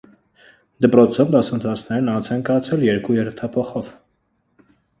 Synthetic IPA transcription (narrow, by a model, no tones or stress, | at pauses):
d̪əpɾɔt͡sʰɔvd̪ɑsənt̪ʰɑt͡sʰnɛɾnɑnt͡sʰɛnkɑjɑt͡sʰɛljɛɾkujɛɾt̪ʰɑpʰɔχɔv